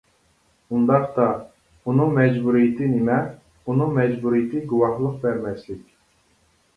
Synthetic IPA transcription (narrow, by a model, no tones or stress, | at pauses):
und̪ɑqt̪ɑ | unɨŋmɛd͡ʒbuɾijt̪ʰɪnɪmɛ | unɨŋmɛd͡ʒbuɾijt̪ʰɪɡuwɑhlˠəq̚bɛɾmɛslɪkʲ